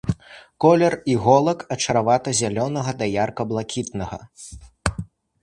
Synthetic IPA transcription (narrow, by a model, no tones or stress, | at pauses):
kɔlʲɛriɣɔlˠɐkɐt͡ʂɐɾavat̪ɐzʲalʲɔnɐɣɐd̪ɐjarkɐblˠakʲit̪̚nɐɣɐ̰